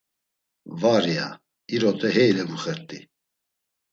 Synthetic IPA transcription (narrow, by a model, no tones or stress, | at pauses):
vaɾia̰ | iɾɔt̪ʰʼɛɦɛjlɛɡuχɛɾt̪ʼḭ